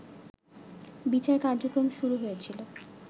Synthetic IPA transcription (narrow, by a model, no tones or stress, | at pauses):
bit͡ɕaekaɾd͡ʑokɾomʃuɾuɦoet͡ɕʰilo